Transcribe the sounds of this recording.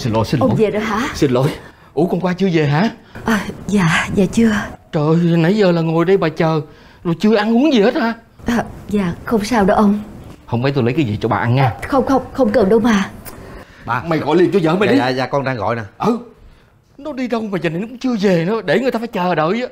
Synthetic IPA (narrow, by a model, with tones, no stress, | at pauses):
si˧nlo̰˨˦jsi˧nʔve˨˩ɗə˨˦ɦaː˧˥si˧nlo̰˧˦j | ʔu˧˦kɔ˨˧˩nkwaː˧t͡ɕɨ˧əve˨˩ɦaː˧˥˦ʔəː˧˩zaː˨zaː˨˩t͡ɕɨ˧ət͡ɕəː˨˩jnə˨˦jzəː˨˩laː˨˩ŋo˨˩jɗə˧jɓaː˨˩t͡ɕəː˨˩ | zo˨˩jt͡ɕɨ˧əʔa˧nʔu˨˦əŋzi˨˩he˦˥t̚haː˨˧˦ | ʔəː˨˩zaː˨˩xə˧wŋ͡msaː˧wɗə˨˦ʔə˧wŋ͡mhə˧wmə˨˦jt̪o˧jlə˨˦kaː˨˦zḭ˨˩t͡ɕɔ˧ɓa̰ː˨˩ʔa˧nːaː˨˧xə˧wŋ͡mxə˧wŋ͡mxə˧wŋ͡mkə˨˩nɗʊ˨˦wmaː˨˩ | ɓa̰ː˨˩ma˨˩jɣɔ̰˧˨jli˨˩ənt͡ɕu˧zəː˧˨˦ma˨ɗiː˧˦˨zaː˨˩kɔ˧nɗaː˧ŋɣɔ̰˧˨jnaː˨˩ʔə˧˨˩ | nɔ˨˦ɗi˧ɗə˧wŋ͡mvaː˨˩t͡ɕəː˨˩ne˧˦nkʊ˨˦ŋ͡mt͡ɕɨ˧əve˨˩nɔ˨˦ɗe˧˩ŋɨ˨˩t̪aː˧˩fːjt͡ɕəː˨˩ɗəː˧˨jə˨˦